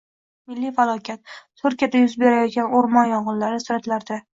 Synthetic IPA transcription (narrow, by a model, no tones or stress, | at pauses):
mɪlːijfalˠɒkʲat̪ːʰ | ʊɾkʲad̪ajʊzbe̞ɾajɒt̪̚ɡʲanoɾmɒnjɒʁɨlːaɾɪsʊɾat̪laɾd̪a